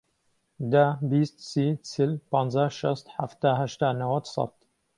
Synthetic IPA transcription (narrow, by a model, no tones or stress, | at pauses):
d̪abiːst̪̚sisʰilpɑːnzaʃɐst̪ħaft̪aːɦæʃt̪aːnawad̪sˤɑ̰t̪